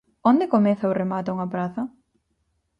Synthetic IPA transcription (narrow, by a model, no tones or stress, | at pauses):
ond̪ɪkomɛθɐoremat̪ʊuŋɐpɾaθɐ